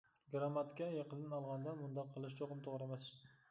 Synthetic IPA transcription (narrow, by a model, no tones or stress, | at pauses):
ɡɾamat̪kʲajeqʰɨd̪ɪnɒlˠʁɑnd̪amʊnd̪ɑqʰːɨlˠɪʃ̬t͡ʃʰoqɨmt̪ʰoʁɾamas